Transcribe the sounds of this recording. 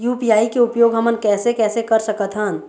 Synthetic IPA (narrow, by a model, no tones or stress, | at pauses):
juːpijaːikeʊpjoːɡɦəmənkɛːsekɛːsekɐɾsəkət̪ʰɦə̃n